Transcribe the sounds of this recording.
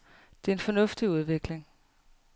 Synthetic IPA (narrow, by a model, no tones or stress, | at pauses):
d̥e̝ɐe̝nfɒ̽nɔ̽fd̥iuð̞ˠʋe̝ɡ̥le̝ŋ